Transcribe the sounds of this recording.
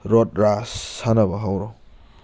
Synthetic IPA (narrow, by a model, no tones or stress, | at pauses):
ɾɔt̚ɾasːanabaɦawɾɔ